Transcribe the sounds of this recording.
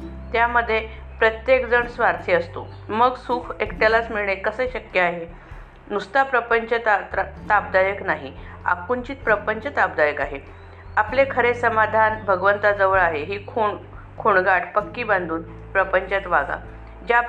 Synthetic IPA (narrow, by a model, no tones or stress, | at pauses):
t̪jaməd̪ʱːje | pɾət̪jekd͡zəɳsʋaɾt̪ʰiəst̪o | məɡsuːkʰekʈ̪alat͡smiɭɳekəsəɕəkjəaɦe | nust̪apɾəpəɲt͡ɕət̪at̪ap̚d̪ajəknaɦi | a̰kuɲt͡ɕiːt̪̚pɾəpəɲt͡ɕət̪ap̚d̪ajəkaɦe | aplekʰəɾesəmad̪ʱanbʱəɡʋənt̪ad͡zəʋəɭaɦeɦiːkʰoɳkʰoɳɡaʈʰpəkːiːband̪ʱuːn | pɾəpəɲt͡ɕat̪ʋaɡa̰ | d͡ʑa